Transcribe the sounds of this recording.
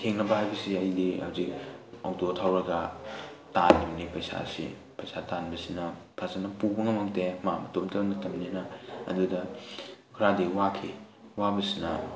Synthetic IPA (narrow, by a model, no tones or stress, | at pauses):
tʰeŋnɐbɐɦajbɐsiɐjdihawzik̚awtotʰawɾɐɡɐtanːibɐnipɐjsa̰sḭ | pɐjsatanbɐsinɐ | pʰasanɐpubɐŋɐmɐŋtemamɐtomtʰɐbŋnɐtʰɐmninɐɐ̰dudɐkʰɾadiwakʰi | wabɐsinɐ